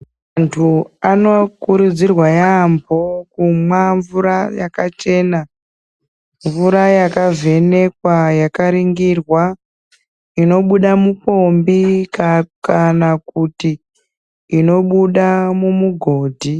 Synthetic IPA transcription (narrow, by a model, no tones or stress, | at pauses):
mantʰuano̞kuɾud͡zirwajambʱo̞kumwaɱvuɾajakat͡ʃe̞ːna | ɱvuɾajakave̞ne̞kwajakaɾiŋɡirwa | ino̞ɓuɗamupo̞mbikakanakutiː | no̞ɓuɗamumuɡʱo̞ːdʱi